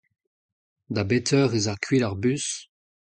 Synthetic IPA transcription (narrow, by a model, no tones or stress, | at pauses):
d̪abetʰœːʁezaʁkʰɥilaʁbys